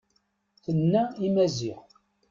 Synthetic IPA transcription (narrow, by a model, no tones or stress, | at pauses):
θənːæimæziħ